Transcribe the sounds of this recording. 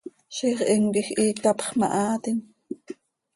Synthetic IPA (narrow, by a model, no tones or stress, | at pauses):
ʃiχʔimkixʔiːkt̪ɑpχmɑ̰ʔɑːt̪in